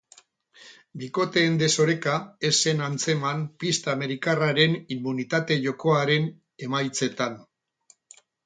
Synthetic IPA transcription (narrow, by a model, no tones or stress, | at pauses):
biko̞t̪e̞ːnd̪e̞so̞ɾe̞kae̞sːe̞nant͡se̞manpist̪aːme̞ɾikaraɾe̞nimːunit̪at̪e̞ʝo̞ko̞aɾe̞n | e̞majt͡se̞t̪an